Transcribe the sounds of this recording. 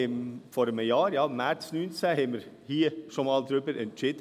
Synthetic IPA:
ɪmfɔɾəməjɑːɾjɑːmæɾtsnyːnt͡sæhɛməɾhiːəʃomɑːld̪ɾʏbəɾʔɛntt͡ʃɪd

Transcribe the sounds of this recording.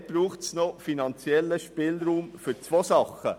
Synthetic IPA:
b̥ɾuːχtsnɔfinɑnt͡sjɛlːəʃpɪːlɾuːmfʏɾt͡sʋosɑχə̰

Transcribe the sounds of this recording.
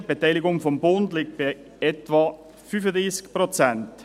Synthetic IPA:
b̥etaɪlɪɡʊŋfɔmbʊndlɪk̚t̚b̥a | ɛtvɑ | fyfədʁiːskpʁot͡sɛnt

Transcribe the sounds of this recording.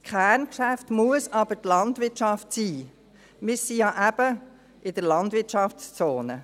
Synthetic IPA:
skʰχæːɾnkʃæftmuəsɑb̥ətlɑntʋɪt͡ʃɑftsiː | mɪsijɑʔæb̥ə | ʔɪd̥əɾlɑndʋɪtt͡ʃɑfst͡soːnə

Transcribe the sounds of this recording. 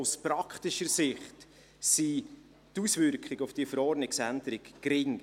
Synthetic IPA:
ʊspɾɑkχtɪʃəɾsɪχt | si | tusvʏɾkχɪɡʊfd̥iəfəɾɔɾnɪksændəɾɪɡːɾɪŋ

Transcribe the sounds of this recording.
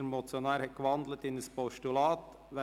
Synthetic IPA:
əɾmɔt͡sjonɑːɾhɛt̚kʋɑnd̪lətɪnəspɔʃtulɑːt̪ | ʋɛ

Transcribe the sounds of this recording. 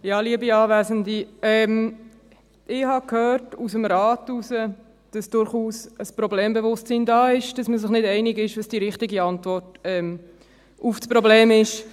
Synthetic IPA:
jɑːliəbiɑːvɛːzəndiɛm | ɪhɑkhøːɾtusəmɾaːtusə | d̥ɑsd̥ʊɾχuːsəspɾoblɛːmbevʊstt͡siːndɑːɪʃd̥ɑsməszɪχnɪdɛɪnɪɡɪʃʋɑsd̥iɾɪχtɪɡiɑntvɔɾtɛːm | ufspɾoblɛːmɪʃ

